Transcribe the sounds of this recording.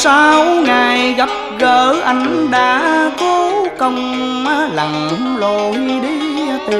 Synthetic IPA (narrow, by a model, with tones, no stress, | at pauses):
saː˧wŋa˨˩jɣa˨˩˦p̚ɣəː˧˨˦ʔa˧jŋ̟ɗa̰ː˧˦kɔ˧˦kə˧wŋ͡m | maː˧˦la˨˩ŋhlo˧˩hi˧ɗi˧˦˧t̪